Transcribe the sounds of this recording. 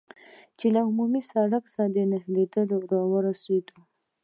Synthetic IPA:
t͡ʃelaʊmumisaɽaksad̪ənəhled̪əloɾɑwəɾased̪u

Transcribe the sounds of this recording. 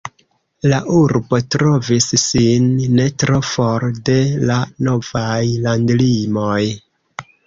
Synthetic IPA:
laʔuɾbo̞tɾo̞vissinːe̞tɾo̞fo̞ɾde̞lano̞vajlandlimoj

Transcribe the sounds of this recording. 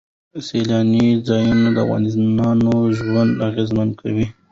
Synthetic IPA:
selɑnizɑjunad̪əa̰fɣɑ̰nɪnɑnoʒwand̪aɣezmand̪̚kʰawi

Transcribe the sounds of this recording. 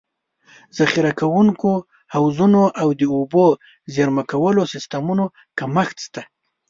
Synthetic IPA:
z̥axiɾakawuŋko | hawzunoʔawd̪əobo | zaɾmakawəlosɪst̪amuno | kaməxt̪st̪a

